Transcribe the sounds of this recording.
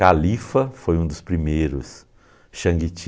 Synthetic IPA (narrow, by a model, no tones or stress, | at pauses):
alifɐfojũd̪ʊspɾimejɾʊs | ʃɐ̃ŋɡit͡ʃ